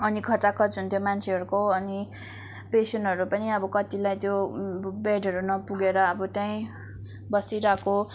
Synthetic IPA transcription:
ʌnikʰʌt͡sakʰʌt͡sunt̪ʰjomant͡sʰeɦʌɾukoʌni | pesʌnɦʌɾupʌniʌbʌkʌt̪ilajt̪jobeɖʱʌɾunʌpuɡeɾʌːbʌt̪jaĩ | bʌsiɾako

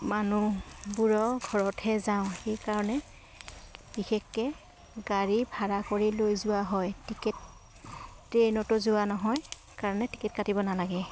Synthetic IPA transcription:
manubuɹɔɡʱɔɹɔtʰɛzaʊ̃xejkaɹɔnɛ | b̥ixɛkːɛ | ɡaɹibʱaɹakoɹilojzʊwaɦɔjtikɛt̚ː | ɹenɔtʊzʊanɔɦɔj | kaɹɔnɛti̥kɛt̚katibɔnalaɡɛ

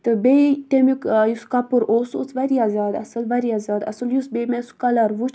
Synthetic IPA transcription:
t̪ɨbet̪emikjuskɐpɨɾʔoːsṵt͡sʰʋɐɾiazʲaːd̪ɐ̰sɐlʋɐɾiazaːd̪ɐ̰sɨljusbemeskɐlɐɾʋut͡ʃʰ

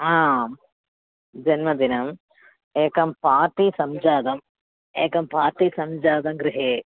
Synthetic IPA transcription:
aː | d͡ʒɐnmɐd̪inɐm | eːkɐmpaːʈisɐmd͡ʒaːd̪ɐm | eːkɐmpaːʈisɐmd͡ʒaːd̪ɐmɡɾɪɦeː

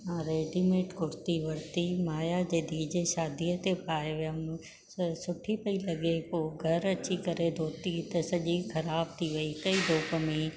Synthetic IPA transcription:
ãɾeːɖimeːʈkʊɾt̪iʋɐɾt̪imaːjad͡ʑeːd̪ʱiːd͡ʑeʃaːd̪iət̪epaːjeʋjam | sʊʈʰipɐilɐɡepoːɡʱɐɾɐt͡ɕikɐɾed̪ʱoːt̪it̪ɐsɐʄikʰɐɾaːb̚t̪ʰiʋɐikɐid̪ʱoːpəmẽ

